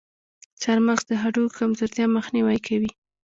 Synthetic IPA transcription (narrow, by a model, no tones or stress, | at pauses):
t͡saɾməxd̪əɦaɖokamzoɾt̪jɑməxniwajkʰawi